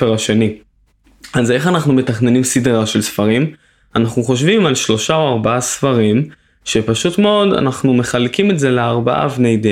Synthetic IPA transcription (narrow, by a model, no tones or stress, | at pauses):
eʁaʃe̞ni | aze̞χanaχnume̞taχne̞nimsidʁaʃe̞lsfaʁim | anaχnuχo̞ʃvimalʃlo̞ʃaoaʁbaasfaʁim | ʃepaʃutme̞o̞da̰naχnume̞χalkime̞tze̞leaʁbaa̰vnejde